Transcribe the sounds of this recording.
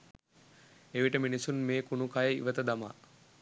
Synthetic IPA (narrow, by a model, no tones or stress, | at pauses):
eʋiʈəminisunmeːkunukajəḭʋət̪əd̪ama̰